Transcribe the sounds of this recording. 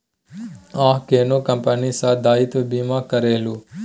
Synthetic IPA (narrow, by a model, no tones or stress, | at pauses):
ãːɦkeːnoːkəmpənisãːd̪aːɪt̪ʋbiːmãːkəɾeːluː